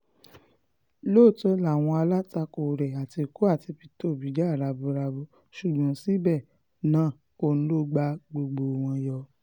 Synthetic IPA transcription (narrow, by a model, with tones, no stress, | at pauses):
loː˦˨tɔ˧˦la˨w̃ɔ̃˧a˧la˦ta˧ko˨ɾɛ˨a˨ti˧˨ku˦a˦˨ti˧fi˧to˦˨bi˨˦d͡ʒa˦˨ɾa˧bu˧ɾa˧bu˧ | ʃu˨ɡ͡bã˨˦si˦bɛ˦˨ | nãː˦˨ | ko˧˦˨ñ̩˦lo˦ɡ͡ba˧ɡ͡bo˧ɡ͡bo˧˨w̃ɔ̃˧jɔ˧